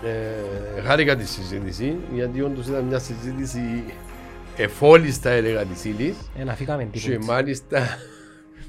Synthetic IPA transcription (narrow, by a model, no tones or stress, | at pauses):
exɐɾikɐt̪̬isːizit̪isiʝɐt̪iond̪osit̪ɐnɲɐsizit̪isi | efo̞list̪ɐeleɣɐt̪isilisenɐfikɐmend̪it͡ʃemɐlist̪ɐ